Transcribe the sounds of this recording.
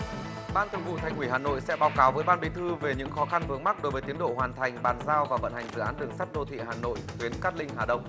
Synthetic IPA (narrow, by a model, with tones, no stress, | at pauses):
ɓaː˧nt̪ʰɨ˧˩əŋvṵ˧˨t̪ʰa˨˩jŋwi˧˩ɦaː˨˩no̰˧˨jsɛ̰˧˥ɓaː˨˦wkaː˨˦wvəː˨˦jɓaː˧nɓi˨˦t̪ʰɨ˧ve˨˩ɲɨ̰˧˥ŋxɔ˨˦xa˧nvɨ˨˦əŋma˦˥k̚ɗo˨˦jvəː˨˦jt̪i˨˦ənɗo̰˧˨hwaː˨˩nt̪ʰa˨˩jŋ̟ɓaː˨˩nzaː˧wvaː˨˩və̰˧˨nha˨˩jŋ̟zɨ̰˧˨aː˨˦nɗ̪ɨ˨˩əŋsa˦˥t̚ɗo˧t̪ʰḭ˧˨haː˨˩no̰˧˨jxwi˨˦ənkaː˦˥k̚lï˧ŋ̟haː˨˩ɗə̰˧˨wŋ͡m